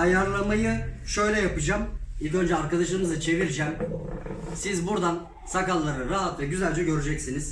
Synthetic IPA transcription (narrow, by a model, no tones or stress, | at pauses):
ajaɾlˠamajɯʃø̞jlʲɛjapɯd͡ʒamilʲcø̞nd͡ʒɛaɾkad̪aʃɯmɯzɯt͡ʃʰe̞viɾd͡ʒæm | sizbuɾd̪an | sakalˠːaɾɯɾaɦat̪vɛɟyzælʲd͡ʒɛɟø̞ɾyd͡ʒɛcsiniz̥